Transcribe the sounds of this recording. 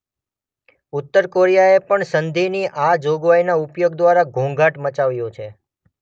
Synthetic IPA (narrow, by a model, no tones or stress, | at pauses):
ʊt̪ːəɾkoɾijaepəɳsənd̪iniʔad͡ʒoɡʋajnaʊpjoɡd̪ʋaɾaɡʱũŋɡʱaʈmət͡ʃaʋjõt͡ʃʰe